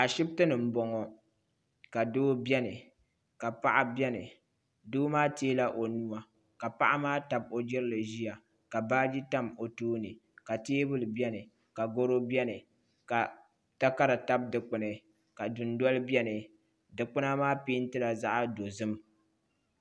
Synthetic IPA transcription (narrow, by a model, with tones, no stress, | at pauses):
a˨ʃɪ˦b̚tɨ˦nɨ˨m̩˦bɔ˨ŋɔ˨ | ka˨doː˦bɛ˦nɨ˨ | ka˨pa˦ʔa˦bɛ˦nɨ˨ | duː˦maː˦teː˦la˦ʔo˨nu˦a˦ | ka˨pa˦ʔa˦maː˦ta˨b̚o˨d͡ʒɪ˦ɾɨ˦lɨ˨ʒi˦ja˨ | ka˨baː˦d͡ʒi˦ta˦˨mo˨toː˦nɨ˨ka˨teː˦bɨ˦lɨ˨bɛ˦nɨ˨ | ka˨ɡo˦ɾo˦bjɛ˦nɨ˨ | ka˨ | ta˦ka˦ɾa˨ta˦b̚dɨ˨k͡pɨ˨nɨ˨ | ka˨du˨ndɔ˦lɨ˦bjɛ˦nɨ˨ | dɨ˨k͡pʊ˦na˦maː˦piː˦n˦tɨ˦la˨za˦ʔa˦do˨zɨ˦m